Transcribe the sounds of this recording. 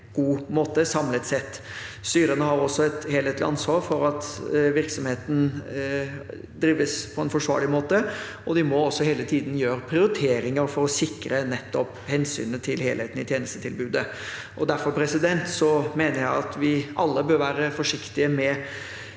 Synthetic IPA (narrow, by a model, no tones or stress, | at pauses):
ɡ̥uːmoːt̪əsɑmlət̪sɛt̪ː | st̪yːɾənəhɑɾɔsɔɛt̪heːlheːt̪lɪ̰ʔɑ̰nsʋɑːɾfɔɾɑt̪ʋɪɾksɔmheːt̪n̩ | d̪ɾiːʋəspʰɔɛnfɔʂʋɑ̰ːɾɭɪmoːt̪ə | ɔd̪ɪmɔɔsːɔheːlət̪ʰiːd̪n̩jøːɾəpʰɾɪʊɾɪt̪ʰeːɾɪŋəɾfɔɾɔsɪkɾənɛt̪ːɔp | hɛnsy̰ːnət̪ʰɪlhḛːlheːt̪ən̩ɪt̪ʰjeːnəst̪ət̪ʰɪlbʉːd̪ə | ʔɔd̪æɾfɔɾpʰɾɛsɪd̪ɛnt̪sɔmeːnəɾjæɪɑt̪ʋɪʔɑlːəbøːɾʋæːɾəfɔʂɪkt̪ɪəmɛ